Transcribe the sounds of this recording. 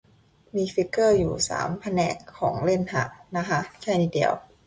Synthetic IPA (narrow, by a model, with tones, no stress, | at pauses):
miː˧fi˦˥kːɤː˥˩juː˨˩sa̰ː˩˦mpʰa˧nɛ̰ː˨˩kʰːɔ̰ː˩˦ŋle˥˩nha̰˨˧˩ʔna˦˥kʰa˦˥kʰɛː˥˩niː˧˩di˧əw